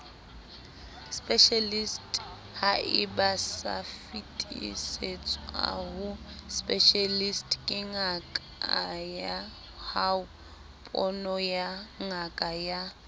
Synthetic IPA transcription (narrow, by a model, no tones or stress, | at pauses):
spʼɛʃalistʼ | haʔɪbasa̰fitʼiset͡sʼɔa̰ɦʊ | spʼɛʃalistʼkʼɪŋakʼ | aja | haʊ | pʼɔnɔjaŋakʼaja